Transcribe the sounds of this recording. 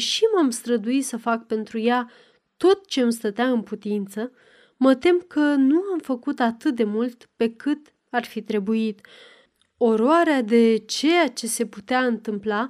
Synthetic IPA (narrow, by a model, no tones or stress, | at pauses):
ʃimamst̪ɾəd̪uit̪səfak̚pe̞nt̪ɾuja | t̪o̞t̪̚t͡ʃe̞amst̪ət̪eaɨnput̪int̪sə | mət̪e̞mkənuamfəkut̪at̪ɨt̪̚d̪e̞mult̪pe̞kɨt̪ | arfit̪ɾe̞buit̪ | o̞ɾoaɾead̪e̞t͡ʃe̞jat͡ʃe̞se̞put̪eaɨnt̪ɨmpla